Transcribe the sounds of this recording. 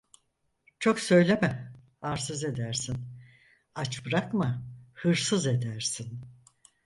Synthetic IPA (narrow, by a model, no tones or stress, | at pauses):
t͡ʃʰo̞ksø̞jlʲemɛhaɾsɯze̞d̪æɾsin | at͡ʃbɾakmahɯɾsɯze̞d̪æɾsin